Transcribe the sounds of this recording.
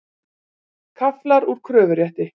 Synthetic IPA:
kʰaflaɾuɾ̥kʰɾœːvʏɾjɛht̪ɪ

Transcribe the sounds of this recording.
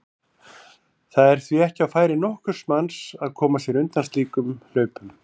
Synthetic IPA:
θaðɛɾ̥θviɛhcɪawfaːjɾɪnɔhkʏɾ̥smansaðkʰɔːmasjɛɾʏnt̪anst̪liːkʏmlœːɥpʏm

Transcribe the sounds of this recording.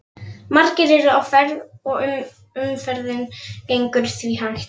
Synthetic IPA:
maɾcɪɾɪɾʏawfɛɾðɔɣʏm | ʏmfɛɾðɪncejŋkʏɾ̥θviɦanh̪

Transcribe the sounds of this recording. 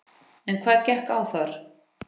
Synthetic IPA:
ɛnkʰvaːðcɛhkawθaɾ̥

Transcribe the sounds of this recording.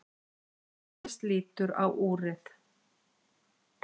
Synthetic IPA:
st̪liːt̪ʏɾa̰wʔuːrɪθ

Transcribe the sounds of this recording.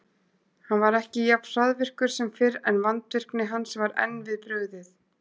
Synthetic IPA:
hanvaɾɛhcɪjap̪saðvɪr̥kʏɾ̥sɛmfɪɾɛnvant̪vɪr̥knɪɦansvaɾɛ̰nvɪðpɾœːɣðɪθ

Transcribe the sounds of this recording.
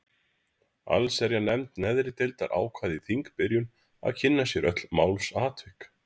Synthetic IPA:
a̰lsɛɾjanɛmt̪nɛðɾɪt̪ɪlt̪aɾʔa̰ːwkʰvaːðiθiŋkpɪɾjʏn | a̰ðcʰɪnːasjɛɾœt̪l̥maːwlsaːt̪vɪk

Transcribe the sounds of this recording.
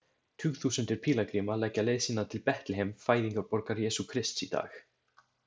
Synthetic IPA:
t̪ʰʏːɣθuːsʏnt̪ɪɾ̥pʰiːlakɾimalɛcːaleːjðsinat̪ʰɪlpɛht̪lɪɦemfaːjðiŋkaɾpɔɾkaɾjɛːsukʰɾɪst̪sit̪a̰ːx

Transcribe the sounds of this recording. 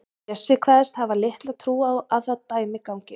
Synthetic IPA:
ɛsɪːkʰvaːðɛst̪havalɪht̪laðt̪ʰɾuːawaðθaðt̪aːjmɪkawŋcɪ

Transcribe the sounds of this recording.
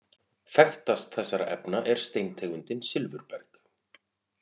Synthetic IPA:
fɛxt̪ast̪θɛsːaɾa̰ʔɛpnaʔɛɾ̥st̪ejnt̪ʰeːɣʏnt̪ɪnsɪlvʏɾpɛɾk

